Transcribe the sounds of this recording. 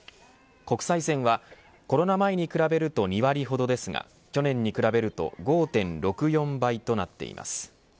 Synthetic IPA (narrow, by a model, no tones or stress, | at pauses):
ko̞kɯ̟̥saisẽ̞ɰ̃βa | ko̞ɾo̞namaeɲ̟ikɯ̟ɾabe̞ɾɯ̟t̪o̞ɲ̟iβaɾʲiɦo̞d̪o̞d̪e̞sɨŋa̰ | kʲo̞nẽ̞ɲ̟ːikɯ̟ɾabe̞ɾɯ̟t̪o̞̰ɡo̞ːt̪ẽ̞nɾo̞kɯ̟jõ̞mbait̪o̞nat̪ːe̞̰ḭma̰sɨ̥